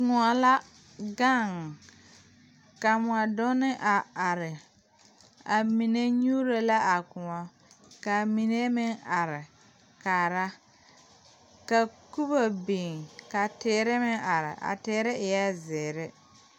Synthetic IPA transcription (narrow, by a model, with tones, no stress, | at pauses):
ŋʊ˨a˨la˦ | ɡa˦˨ŋ˨ | ka˨mʊ˨a˨dʊ˦nɪ˦ʔa˨a˨ɾɪ˨ | a˨mi˨ne˦ɲuː˦ɾo˦la˦ʔa˨kʊ˨ŋɔ˦ | ka˨mi˨ne˦mɪ˦ŋa˨ɾɪ˨ | kaː˨ɾa˦ | ka˨ku˦bo˨bi˨ŋka˨teː˨˦ɾɪ˦mɪ˦ŋʔa˨ɾɪ˨ʔa̰˨tɪː˨˦ɾɪ˦ɪ˨ja˦zɪː˨ɾɪ˦